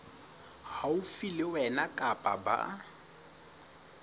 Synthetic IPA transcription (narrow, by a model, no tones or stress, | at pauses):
haufilɪwɛnakʼapʼa̰ba̰